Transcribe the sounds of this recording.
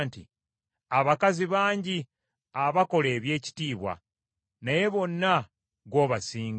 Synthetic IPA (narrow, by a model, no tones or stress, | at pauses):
ntḭ | aβakaziβaːɲɟi | aβako̞le̞ːβje̞ːci̥tiːβwa̰ | naje̞βo̞nːa | ɡo̞ːβasiːŋɡ